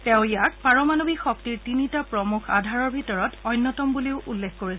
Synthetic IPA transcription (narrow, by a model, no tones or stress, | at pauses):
tɛʊ̃jak̚paɹɔmanobixɔk̚tiɹtinitapɹɔmuxʰa̰dʱaɹɔɹbʱitɔɹɔtɔjnːɔtɔmbuliʊʔulːekʰkoɹis